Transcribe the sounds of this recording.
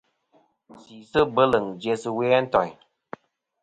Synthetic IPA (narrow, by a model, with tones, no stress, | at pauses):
siː˨sɨ˦bə˦lə˨ŋd͡ʒje˧sɨ˧wɛ˦a˦n̩˦tɔ˨ɲ